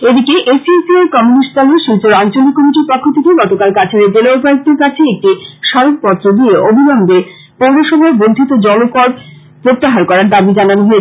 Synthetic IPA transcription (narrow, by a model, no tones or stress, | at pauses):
ed̪ikeʔesisieɾkɔmunisʈt̪ɔlɦoʃult͡ɕoɾant͡ɕolikːomiʈiɾpɔkʰːot̪ʰekeɡɔt̪okalkat͡ɕʰeɾed͡ʑelaopaɾoɡ̚d̪eɾkat͡ɕʰeek̚ʈiʃɔɾok̚pɔt̪ːɾod̪ieʔobʱinɔmbe | powɾoʃɔbʱaɾbond̪ʱit̪od͡ʑɔlokɔɾ | pɾot̪ːaɦaɾkɔɾaɾd̪abid͡ʑananoɦoe